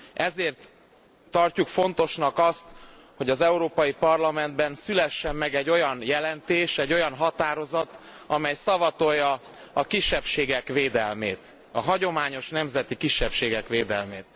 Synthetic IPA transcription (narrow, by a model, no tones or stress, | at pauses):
ʔɛzeːrt̪ː | ɒrcukfo̞n̪t̪o̞ʃnɒkɒst̪ | ho̞ɟɒzɛuɾoːpɒjipɒrlɒmɛnd̪bɛnsylɛʃːɛmːɛɡɛɟːo̞jɒnjɛlɛnt̪eːʃɛɟːo̞jɒnɦɒt̪aːɾo̞zɒt̪ | ɒmɛjsɒvɒt̪o̞jːɒ | ɒkiʃːɛpʃeːɡɛkʋeːd̪ɛlmeːt̪ | ɒɦɒɟo̞maːɲo̞ʃnɛmzɛt̪ikiʃːɛpʃeːɡɛkʋeːd̪ɛ̰lmeːt̪̚